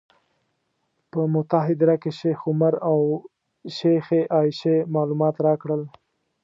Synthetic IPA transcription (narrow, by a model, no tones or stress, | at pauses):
pəmʊt̪aɦɪd̪ɾakeʃexʊmaɾaw | ʃexeʔɑʃemɑlumɑt̪ɾɑkɽəl